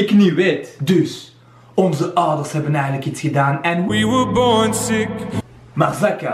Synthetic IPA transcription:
ɪkniʋetdøs | ɔnzəʔɔwdərshɛbənɛjɣəntləkisxədaːnɛniwəbɔɹnsɪk | maːrzɛkə

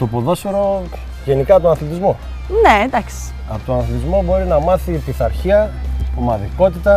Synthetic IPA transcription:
t̪opoðo̞soɾo̞ | ʝe̞nikɐpt̪onɐθlit̪̬izmo | ned̪ɐksi̥ | ɐ̰pot̪onɐθlit̪izmo̞bo̞ɾinɐmɐθit̪iθɐɾçiɐp̪omɐðiko̞t̪it̪ɐ

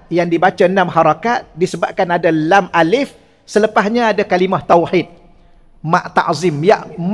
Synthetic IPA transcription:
jaŋdibat͡ʃanãmhaɾakat̪̚disəbap̚kanadalamʔalɪf | sələpaɦɲãadakalimaht̪awħit̪̚ | mãʔt̪a̰ʔzɪmjaʔm

